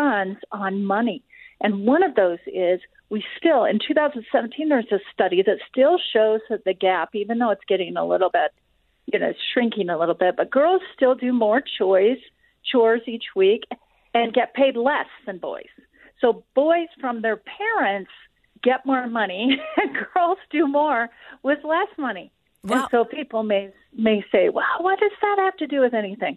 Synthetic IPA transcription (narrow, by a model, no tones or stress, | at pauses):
ʌ̃nz̥n̩mʌni | ʔɨ̃nwʌ̃ñʌvðoʊzɪz̥ | wistɪlˠɪ̰̃ntʰʉθaʊzn̩dsɛvn̩tʰĩnðə˞zɨstʌɾiðɨtstɪlˠʃoʊzɨðɨɡæpivɨ̃nðoʊɨtsɡ̥ɛɾɪ̃ŋə̰lɪ̰ɾl̩ˠbɪt̚ | jɨnoʊʃɹɪ̃ŋkɪ̃ŋəlɪɾl̩ˠbɪt̚b̥ʌt̚ɡ̥ɜ˞lˠz̥stɪlˠdɨmɔɹt͡ʃʰɔɪz̥ | t͡ʃʰɔɹzit͡ʃwik | ɨ̃nɡɛt̚pʰeɪdˡlɛsðɨ̃nbɔ̰ɪz̥ | soʊb̥ɔɪz̥fɹʌ̃mðə˞pʰɛɹɨ̃nts | ɡ̥ɛt̚mɔɹɨnmʌniɨ̃nɡɜ˞lˠz̥dɨmɔɹwɪðlɛsmʌni | ɨ̃nsoʊpʰipl̩ˠmeɪ | meɪseɪwɛ̰lˠwʌt̚d̥ʌzðɨt̚hæftɨdɨwɨðɛniθɪ̃ŋ